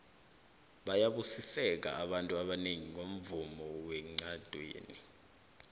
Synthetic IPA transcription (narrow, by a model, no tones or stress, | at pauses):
ɓajaɓusisɛk̬a̰ːɓantʼuaɓaneŋiŋom̩vumɔwɛŋ͡ǀad̥ʱwḛːni